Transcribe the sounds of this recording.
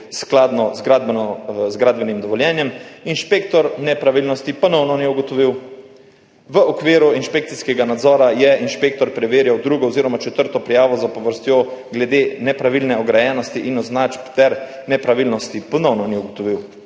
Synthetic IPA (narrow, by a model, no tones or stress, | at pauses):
sklaːd̪nɔzɡɾad̪bnɔzɡɾaːd̪bɛnimd̪ɔʋɔljɛnjɛminʃpekt̪ɔɾnɛpɾaʋilnɔst̪ipɔnɔwnɔniuɡɔt̪ɔʋiw | ʋəɔkʋiːɾuinʃpekt̪siskɛɡanad̪zɔːɾajɛinʃpek̚t̪ɔɾpɾɛʋeːɾjawd̪ɾuːɡɔɔziːɾɔmat͡ʃɛt̪əɾt̪ɔpɾijaːʋɔzapɔʋəɾst̪joɡlɛd̪enɛpɾaʋilnɛɔɡɾajɛːnɔst̪iʔinɔznat͡ʃpt̪ɛɾnɛpɾaʋilnɔst̪ipɔnɔwnɔniuɡɔt̪ɔʋiw